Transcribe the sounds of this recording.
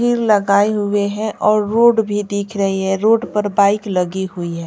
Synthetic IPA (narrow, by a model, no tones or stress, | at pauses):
iːɾlɐɡaːeɦʊeɦɛ̃ʔɔːɾːoːɖbʱid̪iːkʰɾəɦiɦɛ̃ɾoːɖpəɾbaːɪklɐɡiɦʊiɦɛ̃ː